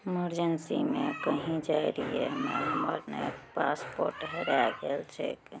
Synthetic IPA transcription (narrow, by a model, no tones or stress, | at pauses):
iməɾd͡ʒənsḭmekəɦĩd͡ʒaeɾijḛmeɦəməɾnepaspoɾʈɦeɾaɡelt͡ʃʰḛk